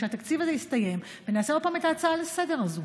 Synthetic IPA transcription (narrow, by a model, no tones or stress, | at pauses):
ehat̪akt͡sivazejist̪aje̞m | venaːseo̞d̚paːmet̪aːt͡saːlsede̞ʁazu